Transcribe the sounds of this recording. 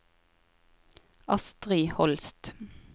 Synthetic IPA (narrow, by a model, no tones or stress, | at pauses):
ɑst̪ʁiːhɔlst̪